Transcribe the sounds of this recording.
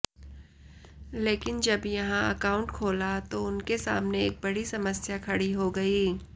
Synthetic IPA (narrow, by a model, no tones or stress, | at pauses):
leːkɪnd͡ʒɐbjɐɦãɐkaːʊ̃ɳʈkʰoːlat̪oʊnkesa̰ːmneeːk̚bɐɽisɐməsjakʰɐɽiɦoɡɐiː